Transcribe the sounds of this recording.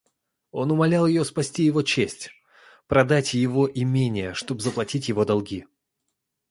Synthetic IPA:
o̞nʊmɐlʲalˠjɪjo̞spɐsʲtʲijɪvo̞t͡ɕesʲtʲ | pɾɐd̪atʲjɪvoʔɪmʲenʲɪjəʂt̪o̞bzəplˠɐtʲitʲjɪvo̞d̪ɐlˠɡʲi

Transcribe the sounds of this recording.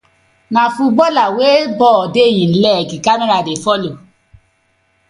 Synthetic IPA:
nãfũbɔlawebɔdejĩn̩lɛɡikameɾadefɔlo

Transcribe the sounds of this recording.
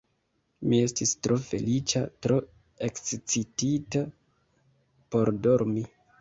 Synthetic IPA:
mie̞stistɾo̞fe̞̰lit͡ʃatɾo̞ | e̞kt͡sit͡sitita | po̞ɾdo̞ɾmi

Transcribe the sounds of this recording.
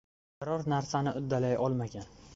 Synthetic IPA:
qɾɒɾnaɾsanɪʔʊd̪ːalajʔɒlˠmaɡʲan

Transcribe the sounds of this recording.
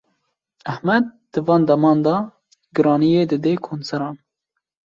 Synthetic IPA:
æhmɛd̪̚d̪̥ɨvɑːnd̪ɛmɑːnd̪ɑ | ɡɨɾɑːnijeːd̪ɨd̪eːkʰoːnsɛɾɑːn

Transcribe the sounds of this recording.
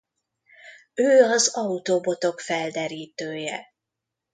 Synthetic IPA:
øːɒzɒut̪obo̞t̪o̞kfɛld̪ɛɾiːt̪øːjɛ̰

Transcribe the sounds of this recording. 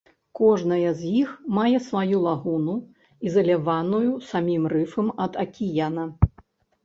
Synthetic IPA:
kɔʐnɐjɐzʲjixmajɛsvajulˠaɣunu | izɐlʲavanujusamʲimrɨfɐmɐd̪ɐkʲijanɐ

